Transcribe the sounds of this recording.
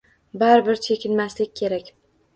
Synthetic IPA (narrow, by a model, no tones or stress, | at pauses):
baɾbɪɾt͡ʃʰe̞kʲʰɪnmaslɪkʲkʲʰe̞ɾakʲ